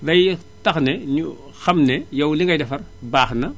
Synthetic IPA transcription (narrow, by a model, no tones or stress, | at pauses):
daj | taxnenu | xamnejawliŋɡajdɐfɐɾbaːxna